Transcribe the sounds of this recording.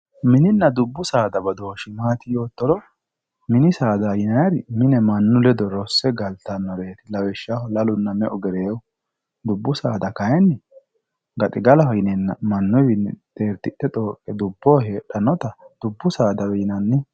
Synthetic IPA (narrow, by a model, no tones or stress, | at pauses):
mɪnɪnːɐd̪ʊbːʊsaːd̪ɐbɐd̪oːʃɪmaːt̪ɪjo̞ːt̪ːɔɾɔ | mɪnɪsaːd̪ɐjɪnɐjɐɾɪmɪnɛmɐnːʊlɛd̪ɔɾɔsːɛɡɐlt̪ɐnːɔɾeːt̪ɪlɐwɛʃːahɔlɐlʊnːɐmɛʔɔɡɛɾeːwʊ | d̪ʊbːʊsaːd̪ɐkɐjɛnːɛ | ɡɐt̪ʼɪɡɐlɐhɔjɪnɛnːɐmɐnːʊjwɪnt̪e̞ːɾt̪ːɪɗːɛt̪ʼo̞ːkʼːɛd̪ʊbːoːheːᶑɐnɔt̪ɐd̪̥ʊbːʊsaːd̪ɐwɛjnɐnːɪ